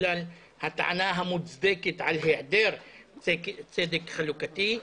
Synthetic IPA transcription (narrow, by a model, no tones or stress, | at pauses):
al | hat̪aʕa̰naɦamut͡sd̪eket̪ʕalɦeʕd̪eɾkt͡sed̪ekχalukat̪i